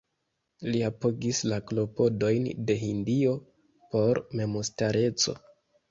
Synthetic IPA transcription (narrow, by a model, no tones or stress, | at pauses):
liapo̞ɡislaklo̞po̞do̞jnde̞ɦindio̞ | po̞ɾme̞mustaɾe̞t͡so̞̰